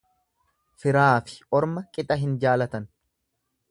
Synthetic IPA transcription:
fɪɾaːfɪ̥ʔɔɾmɐkʼɪt̪ʼɐɦɪnd͡ʒaːlɐt̪ɐn

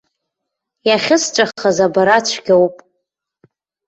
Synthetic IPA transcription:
jaχʲɪst͡ʃʷʼaχazabaɾat͡ʃʷʰɡʲawpʼ

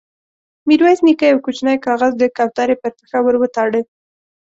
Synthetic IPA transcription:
miɾwaznikajawkut͡ʃnajkɑɣazd̪əkɑwt̪ɑɾepəɾp̪ə̥xawəɾwət̪ɑɽə

